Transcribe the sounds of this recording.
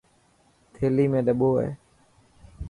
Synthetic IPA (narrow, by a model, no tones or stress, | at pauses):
t̪ʰeːliːmẽːɗəɓoːḛː